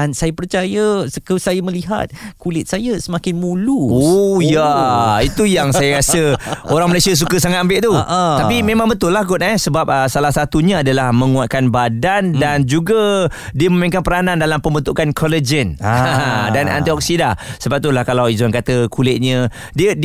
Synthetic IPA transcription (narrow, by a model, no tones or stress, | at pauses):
ansajəpərt͡ʃajəsəkəsajəməliɦa̰t̪̚kulɪt̪̚sajəsəmãkɪnmũluojait̪ujaŋsajəɾasəoɾaŋməlajsiəs̬ukəs̬aŋat̪̚ambɪʔ̚t̪uʔt̪apimẽmãŋbət̪ʊlːahɡʊt̪ɛsəbap̚əsalahsat̪uɲə̃adalahmə̃ŋuat̪̚kanbadandand͡ʒuɡa | diəməmeŋkanpəɾanandalampəmbənt̪ukankʰɔləd͡ʒən | danʔa̰nt̪iɔk̚sidasəbap̚t̪ulahkalawizankat̪əkʰulɪt̪̚ɲə̃ | diəd